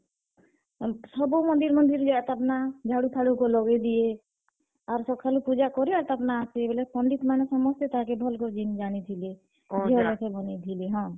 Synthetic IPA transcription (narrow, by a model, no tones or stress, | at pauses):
sɔbõmɔ̃nd̪iɾmɔnd̪iɾd͡ʒat̪apnad͡ʒʱaɽut̪ʰaɽukolɔɡed̪ije | aɾsɔkʰalupud͡ʒakɔɾiat̪apnaːsebelepɔɳɖit̪manesɔmɔst̪et̪aãkebʱɔlkɔd͡ʒind͡ʒanit̪ʰili | elekebɔnit̪ʰiliɦɔ̃ː